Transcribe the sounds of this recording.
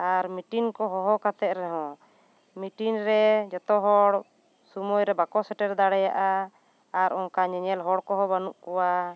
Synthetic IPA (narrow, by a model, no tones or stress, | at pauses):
aɾmiʈinkɔɦɔɦɔkat̪ɛʔ̪̚ɾɛɦɔ̃ | miʈinɾɛd͡ʒɔt̪ɔɦɔɽ | sumɔjɾɛbakɔsɛʈɛɾd̪aɽɛjaʔaː | ɾɔŋkaɲɛɲɛlɦɔɽkɔɦɔbanuʔkɔwa